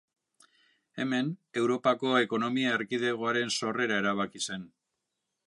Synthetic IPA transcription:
e̞me̞ne̞wɾo̞pako̞e̞ko̞no̞miaeɾkið̞e̞ɣ̞oaɾe̞nso̞re̞ɾae̞ɾaβakise̞n

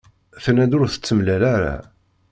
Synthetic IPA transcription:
θnæd̪ʊɾθə̥t͡sːəmlælaɾa̰

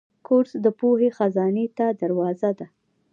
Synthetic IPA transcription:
koɾsd̪əpohexazɑnet̪ad̪aɾwɑzad̪a

